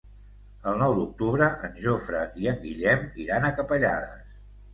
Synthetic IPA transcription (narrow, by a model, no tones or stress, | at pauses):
əlˠnɔwd̪uk̚t̪uβɾəʔənʲʒofɾəiəŋɡiʎɛmiɾanəkəpəʎaðə̰s